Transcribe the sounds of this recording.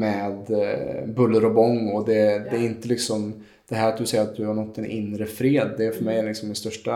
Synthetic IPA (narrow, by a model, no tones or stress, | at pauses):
mɛd̪bɵlːəɾɔbɔŋːɔd̪ɛd̪ɛːɾɪnt̪əlɪksɔm | d̪̥ɛɦæːɾat̪̚d̪ɵsɛjːəɾat̪̚d̪ɵhaɾɳɔt̪ʰːɛnʔɪ̰nɾəfɾeːd̪ːɛːfœɾmɛjælɪksɔmːɪnst̪œʂʈa